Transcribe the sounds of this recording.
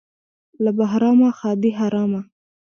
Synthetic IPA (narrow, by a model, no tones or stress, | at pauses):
labaɦɾɑmaxɑd̪iɦaɾɑma